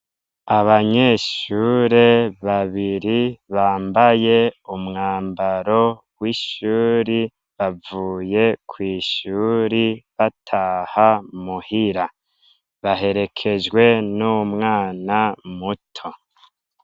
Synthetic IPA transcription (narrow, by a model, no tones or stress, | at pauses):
aβaɲe̞ʃuɾe̞βaβiɾiβaːmbaje̞umŋaːmbaɾo̞ | wiʃuːɾi | βavuːje̞kʰwiːʃuːɾiβatʰahamuhiɾa | βaɦe̞ɾe̞kʰe̞d͡ʒɡwe̞numŋaːnamutʰo̞